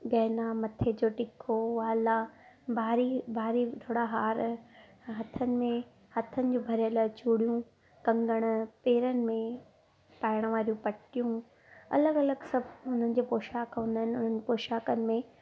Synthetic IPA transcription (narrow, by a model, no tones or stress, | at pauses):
ɡɐːnamɐt̪ʰed͡ʑoːʈɪkʰoʋalabaːɾibʱaːɾit̪ʰoːɽaɦaːɾ | ɦɐt̪ʰənɪ̆mẽ | hɐt̪ʰənɪ̆d͡ʑoːbʱɐɾjəlat͡ɕuːɽijũ | kɐ̃ŋɡəɽ̃ʊpeːɾənɪ̆mẽ | paːɪɽ̃ʋaːɾijũpɐʈijũ | ɐ̰ləɡɐləɡsɐbʱʊn̤ənɪ̆d͡ʑeːpoːʃaːkɦʊ̃nd̪aɦɪnɪʊn̤ənɪpoːʃaːkənɪ̆mẽ